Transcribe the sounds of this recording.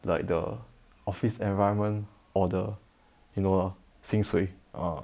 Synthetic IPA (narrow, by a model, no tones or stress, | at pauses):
laɪk̚də̰ | ɔfisɛ̃nvaɪə̃nmə̃n | ɔdə | juno | sĩŋsweʔa̰